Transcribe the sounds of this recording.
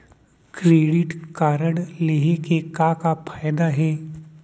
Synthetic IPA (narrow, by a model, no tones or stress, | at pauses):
kɾeːɖɪʈkaːɾəɽleːɦekekakapʰaːjd̪aɦɛː